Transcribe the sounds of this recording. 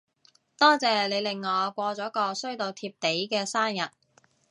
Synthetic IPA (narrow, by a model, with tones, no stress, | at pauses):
t̪ɔː˥t͡sɛː˨˩le˨˧jlɪ˨ŋːɔː˨˧kʷɔː˧t͡sɔː˨˥kɔː˧sɵ˥ɥt̪o˧wt̪ʰiː˧p̚t̪e˨˥jkɛː˧saː˥njɐ˨t̚